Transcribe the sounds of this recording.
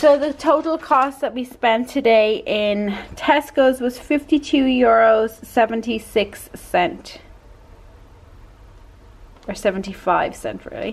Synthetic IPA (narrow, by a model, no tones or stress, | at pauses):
soʊðətʰoʊɾˡəl̩ˠkʰɔstðəʔ̚wispɛ̃ntʰədeɪʔɪ̃ntʰɛskoʊzwɒz̥fɪftitʰʉːjʊɹoʊz̥sɛvə̃ntisɪksːɛ̃nt | ə˞sɛvə̃n̩tifaɪv̥sɛ̰̃nʔɹɪ̰ːlḭ